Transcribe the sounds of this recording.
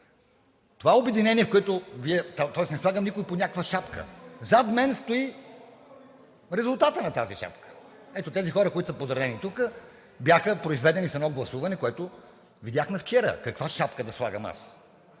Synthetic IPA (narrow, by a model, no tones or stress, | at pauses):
t̪ovaobɛd̪inɛniɛfkoɛt̪ʊviɛt̪t̪ɔɛsnɛslˠaɡəmnikʊiponʲakkvəʃapkə̰zat̪mɛnst̪oi | ɾɛzʊlˠt̪at̪ənɐt̪aziʃa̰pkə̥ | ɛt̪ot̪ɛzixɔɾəkoit̪o̥səpozɾɐd̪ɛnit̪ukə | bjaxəpɾoizvɛd̪ɛnisɐnɔɡlˠɐsuvɐnɛkoɛt̪ʊ | vid̪ʲjaxnɐft͡ʃɛɾə̰kɐkvaʃapkəd̪ɐslˠaɡəma̰s